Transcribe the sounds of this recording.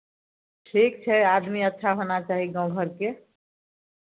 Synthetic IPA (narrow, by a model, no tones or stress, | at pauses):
ʈʰikt͡ʃʰɛad̪miətːʃʰaɦonat͡ʃaɦiɡʌ̃w̃ɡʱəɾke